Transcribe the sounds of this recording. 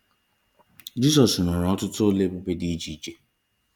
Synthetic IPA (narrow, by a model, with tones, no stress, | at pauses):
d͡ʒi˦s̬ɔ˨snʊ˨ɾɔ˦tʊ˦tʊ˦le˦bʊ˦pe˦di˦d͡ʒi˨˦d͡ʒe˨